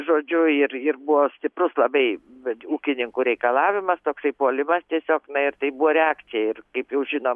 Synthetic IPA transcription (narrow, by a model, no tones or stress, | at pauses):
ʒoːd͡ʒʲʊɪrɪrbʊʋoːsʲt̪ʲɪprʊslˠɐbɐɪɛuːkʲɪnʲɪŋkuːɾʲɛɪkɐlˠɑːʋʲɪmɐst̪oːksɐɪpoːlʲɪmɐst̪ʲiɛsʲoːknɐɪrt̪ɐɪbʊʋoːɾʲɛaːk̪t͡s̪ʲɪjɛɪrkɐɪpjɛʊʒʲɪnoːm